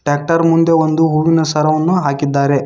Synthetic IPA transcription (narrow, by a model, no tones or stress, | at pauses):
ʈɾaːk̚ʈɐɾmund̪e̞ʋond̪uɦuːʋinɐsɐɾɐʋɐnːuɦaːkid̪ːaːɾe